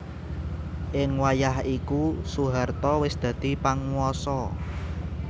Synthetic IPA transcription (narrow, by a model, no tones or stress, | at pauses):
ʔɪŋwajahikusuɦart̪ɔwɪsd̪̥ä̤d̪̥i̤paŋuɔsɔ